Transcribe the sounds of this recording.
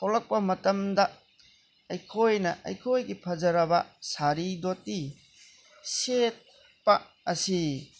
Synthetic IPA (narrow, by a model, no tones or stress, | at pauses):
hawlɐk̚pɐmɐtɐmdɐ | ɐjkʰojnɐʔɐ̰jkʰojɡipʰɐzɐɾɐbɐ̰saɾidoti | set̚ | pɐ | ɐsi